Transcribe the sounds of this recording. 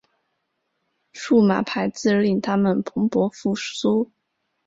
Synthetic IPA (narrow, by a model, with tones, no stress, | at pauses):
ʂu˥˩ma̰˨˩pʰa˧˥ɪt͡sɹ̩˥˧˥li˥˩ŋt̪ʰa˥mə˨npʰɤ˧˥ŋpwɔ˧˥fu˥˩su˥